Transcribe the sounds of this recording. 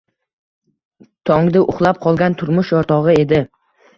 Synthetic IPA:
t̪ʰɒŋd̪ɪʔʊ̰χlˠap̚qʰɒlˠɡʲant̪ʰʊɾmʊʃjɒɾt̪ʰɒʁɨe̞d̪ɪ

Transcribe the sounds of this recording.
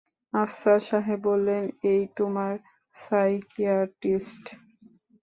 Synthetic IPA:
afsaɾʃaɦebolːenejt̪omaɾ | sajkiaʈisʈ

